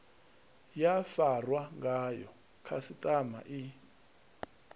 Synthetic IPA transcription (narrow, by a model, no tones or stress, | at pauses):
jafarwaŋɡajɔ | kʰasitʼama̰ʔi